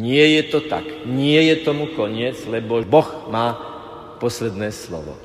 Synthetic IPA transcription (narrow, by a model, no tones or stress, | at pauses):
ɲɪɛjɛt̪ɔt̪a̰kɲɪɛjɛt̪ɔmukɔɲɪɛd͡zlɛbɔbɔxmaː | pɔslɛd̪nɛːslɔ̰ʋɔ̰